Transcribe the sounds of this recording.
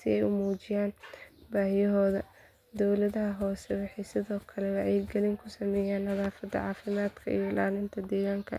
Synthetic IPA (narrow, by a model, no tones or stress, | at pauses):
sɪɛjʊmuːt͡ʃɪjaːnbaːjɛɦɔːðɐ | d̪ɔwlɐðɐɦɐɦɔːsɛwɑħɑjsɪðɔːkʰɐlɛwɑʕɛjɡɛlɪŋkʰʊsɐmɛːjaːnnɐðaːfɐd̪ːɐ̰ʕɑːfɪmaːd̪kʰɐ̰ʔḭjlaːlɪnt̪ʰɐd̪ɛːɣaːŋkʰɐ̰